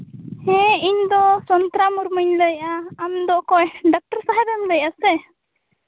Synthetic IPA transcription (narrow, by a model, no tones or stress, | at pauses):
hɛiɲd̪ɔsɔnt̪ɾamuɾməɲləjʔaamd̪ɔʔkɔjɖɔk̚ʈəɾsaɦɛɾɛmləjʔasɛ